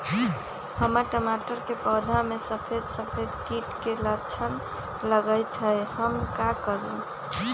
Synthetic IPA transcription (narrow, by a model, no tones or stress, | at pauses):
həməɾʈəmaʈəɾkepəd̪ʱamesəpʰed̪səpʰed̪kiʈkelət͡ʃʰən | ləɡəjt̪ɦəjhəmkakəɾun